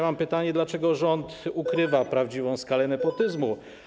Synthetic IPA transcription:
mampɘt̪aɲɛd̪lat͡ʂɛɡɔʐɔnt̪ukɾɘvapɾavd͡ʑivɔ̃w̃skalɛnɛpɔt̪ɘzmu

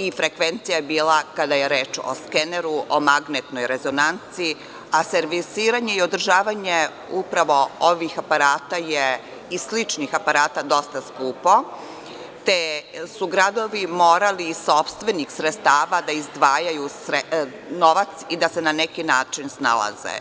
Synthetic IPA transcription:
ifɾe̞kʋe̞nt̪sijajebiːlˠakad̪ajeɾeːt͡ʃo̰skeneɾuʔomaɡnet̪no̞jɾe̞zo̞nant̪sii | aseɾʋisiːɾaɲe̞io̞d̪r̩ʒaːʋaɲe | upɾaʋo̞oʋixapaɾaːt̪aje | islit͡ʃnixapaɾaːt̪ad̪o̞st̪askuːpo̞ | t̪esuɡɾad̪o̞ʋimo̞ːɾaliːo̞pst̪ʋe̞nixsɾet̪st̪aːʋad̪aizd̪ʋaːjajusɾe | no̞ʋat̪sid̪asenanekinaːt͡ʃinsna̰la̰zḛ

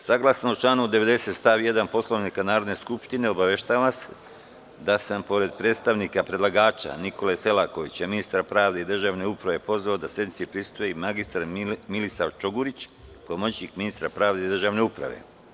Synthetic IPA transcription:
saɡlˠasnout͡ʃlˠaːnuud̪eʋe̞d̪e̞se̞t̪st̪aːʋje̞d̪anpo̞slˠo̞ʋnikanaːɾo̞d̪ne̞skupʃt̪ine̞o̞baʋeʃt̪aːʋase | d̪asampo̞ɾe̞d̪̚pɾe̞ːt̪st̪aʋnikapɾedlˠaɡaːt͡ʃa̰nikʰo̞lese̞lako̞ʋit͡ɕaminist̪aɾpɾaːʋd̪e̞id̪r̩ʒaːʋne̞upɾaʋe̞po̞zʋaod̪asje̞d̪nitsipɾist̪ujemaɡist̪aɾmilisaʋt͡ʃoɡuɾit͡ɕpomot͡ɕɲikminist̪ɾapɾaːʋd̪e̞id̪r̩ʒaːʋne̞upɾa̰ʋe̞̰

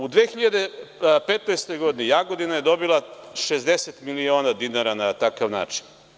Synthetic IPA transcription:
ud̪ʋeːxiʎad̪epet̪ojst̪o̞jɡod̪inijaɡod̪inaje̞d̪o̞bilˠaʃezd̪eset̪milio̞ːnad̪inaɾanat̪akaʋna̰ːt͡ʃi̥n

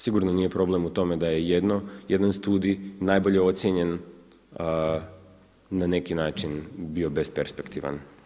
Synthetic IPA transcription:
siɡuɾnonije̞pɾo̞blemut̪o̞me̞d̪aje̞jed̪nojed̪anst̪uːd̪inaːjbo̞ʎeo̞t̪sjeɲe̞n | nane̞kinaːt͡ʃinbio̞bespeɾspekt̪iʋa̰n

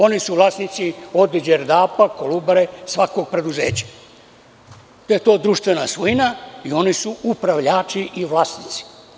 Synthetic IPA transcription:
o̞nisuʋlˠaːsnit̪sio̞d̪id͡ʒeɾd̪aːpakolubaɾesʋako̞ɡ̚pɾe̞d̪uzḛːt͡ɕḁ | t̪ojet̪o̞ːd̪ɾuʃt̪ʋe̞nasʋujnaio̞nisuupɾaʋʎaːt͡ʃiʔiʋlˠaːsnit̪si̥

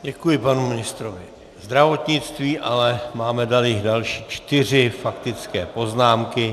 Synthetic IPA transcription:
ɟɛkujɪpanumɪnɪst̪ɾovɪ | zd̪ɾavo̞t̪ɲɪt͡st̪viːʔalɛmaːmɛdaljɪɣdalʃiːt͡ʃt̪ɪr̝ɪfakt̪ɪt͡skɛ̰ːpo̞znaːmkɪ

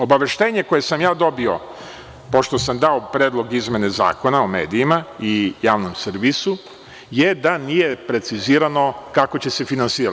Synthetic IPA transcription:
o̞baʋe̞ʃt̪e̞ːɲe̞koje̞samjaːd̪o̞bio̞ | po̞ʃt̪o̞samd̪aopɾeːd̪lˠo̞ɡizmʲje̞neza̰ːko̞naome̞̰ːd̪ijimaijaːʋnomsɾʋisu | je̞d̪anije̞pɾe̞t̪siziːɾano̞kako̞t͡ɕe̞se̞finansiːɾa

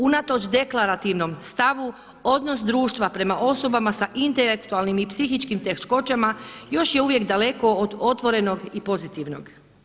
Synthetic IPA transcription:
unat̪o̞t͡ʃd̪e̞klaɾat̪iʋno̞mst̪aʋu | o̞d̪no̞sd̪ɾuːʃt̪ʋapɾe̞maʔo̞so̞bamasaʔint̪elekt̪ualnimipsixit͡ʃkimt̪e̞kʃko̞t͡ʃamajo̞ʃjeuʋje̞kd̪ale̞ko̞ːd̪o̞t̪ʋo̞ɾe̞no̞ɡipo̞zit̪iʋnoɡ

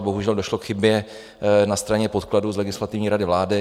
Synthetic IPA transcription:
bo̞ɦuʒɛldoʃlokxɪbjɛ | nast̪ɾaɲɛpot̪kladuzlɛɡɪslat̪ɪvɲiːɾadɪvlaːdɪ

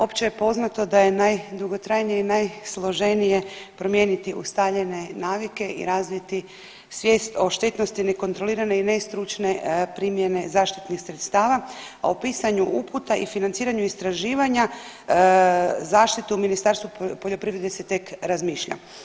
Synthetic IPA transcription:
o̞pt͡ɕejepo̞znat̪o̞d̪aje̞najd̪uɡo̞t̪ɾajnijeinajslˠo̞ʒe̞nije̞pɾo̞mje̞ːnit̪iʔṵst̪aʎe̞ne̞naːʋike̞ʔḭɾaːzʋit̪i | sʋje̞ːst̪o̞ʃt̪e̞t̪no̞st̪ine̞ko̞nt̪ɾo̞liːɾane̞ine̞st̪ɾut͡ʃne̞pɾimjene̞zaːʃt̪it̪nixsɾe̞t̪st̪aːʋaa̰opiːsaɲuʔuput̪aʔifinant̪siːɾaɲuist̪ɾaʒiːʋaɲa | zaːʃt̪it̪uuminist̪aɾst̪ʋupo̞ʎo̞pɾiʋɾed̪eset̪e̞kɾazmiːʃʎa̰

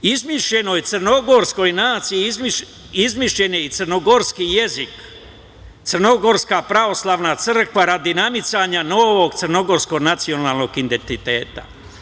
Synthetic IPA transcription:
izmiʃʎe̞nojt̪sɨrno̞ɡo̞ɾsko̞jnaːt̪siizmi | izmiʃʎe̞neit̪sɨrno̞ɡoɾskije̞zik | t̪srno̞ɡo̞ɾskapɾaʋo̞slˠaʋnat̪sr̩kʋaɾad̪inamit̪saɲanoːʋo̞ɡt̪ɨrno̞ɡo̞ɾsko̞ɡnat̪sio̞naːlˠno̞ɡind̪ent̪it̪e̞ːt̪a̰

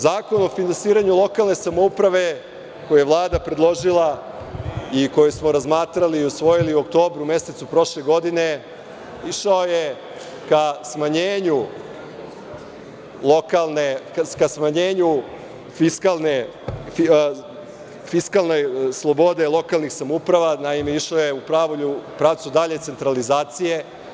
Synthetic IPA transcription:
zaːko̞nofinansiːɾaɲulˠo̞kalˠne̞samoupɾaʋe̞ | ko̞jejeʋlˠaːd̪apɾed̪lˠo̞ʒilˠa | iko̞jesmo̞ɾazmaːt̪ɾaliːusʋo̞jiliuokt̪o̞ːbɾume̞se̞t̪supɾo̞ʃle̞ɡo̞d̪ine̞ | iʃaoje | kasmaɲeːɲu | lokalnekasmaɲe̞ːɲu | fiskalˠne | fi | fiskalˠnejslˠo̞bo̞d̪elˠo̞kalˠnixsamupɾaʋanaime̞iʃaojeupɾaʋoʎupɾaːʋt̪sud̪aʎe̞t̪se̞nt̪ɾalizaːt̪sije̞

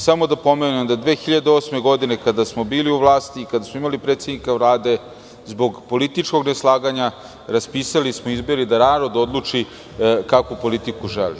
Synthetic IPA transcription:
samo̞d̪apo̞menemd̪ad̪ʋeːxiʎad̪eo̞ːsme̞ɡo̞d̪ine̞kad̪asmo̞biːliuʋlˠaːst̪iːkad̪asmoimalipɾet̪sʲed̪nikaʋlaːd̪e̞ | zbo̞ɡpo̞lit̪it͡ʂko̞ɡneslˠaːɡaɲa | ɾaspiːsalismoizbo̞ɾid̪anaːɾo̞d̪o̞d̪lˠut͡ʂi | kakupo̞lit̪ikuʒḛlḭ

